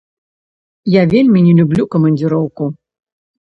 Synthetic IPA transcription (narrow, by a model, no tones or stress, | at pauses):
javʲelʲmʲinʲɛlʲublʲukɐmɐnʲd͡zʲɨɾɔwku